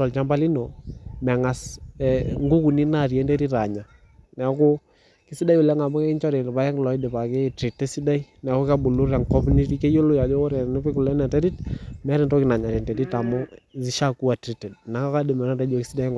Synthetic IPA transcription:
ɔ˨lt͡ʃa˦mba˦li˦nɔ˨mɛ˨ŋa˨sɛ˨ŋɡu˦ku˨ni˦na˦˨ɾjɛ˦nde˦ɾi˦ɾa˨ɲa˨ | nɛ˨˦ko˦ | kɪ˦si˦da˦jʊ˨lɛ˦ŋa˨mɔ˦kɛ˦ɪ˦ɲt͡ʃɔ˦ɾe˨pa˦jɛ˦ŋ˨lɔ˨˦i˦de˨pa˨ke˦˨tɾi˨te˦si˦da˦i˦ | nɛ˨ko˦ka˦bu˨lu˦ɾɛ˨ŋkɔ˦mu˦ni˦ti˦ke˦jo˦lo˦ja˨d͡ʒɔ˦ɔ˦ɾɛ˨nɪ˦pɪ˦ku˨lɛ˦nɛ˨tɛ˦di˦tmɛ˦ɾɪ˨ntɔ˦kɪ˦na˨ɲa˨ɾɛ˨ntɛ˨di˦ta˨mɔ˦zi˦ʃa˦ku˦a˨tɾi˦tɛ˨dna˨˦ka˦ka˦dɪ˨mɛ˨na˨dɛ˦d͡ʒo˨ki˦si˦da˦ŋ

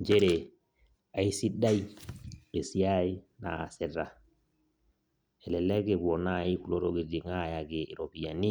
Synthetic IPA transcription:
d͡ʒe˦ɾe˨ | a˨i˦si˦da˦i˦e˨si˦a˦i˦na̰ː˨se˨ɾa˨ | ɛ˨lɛ˨lɛ˦ɡe˨bo˨na˦˨i˦ku˨lo˦ɾo˦ɡi˨di˨ŋa˦˨ja˨ɡeː˨ɾo˨bi˨ja˨ni˦

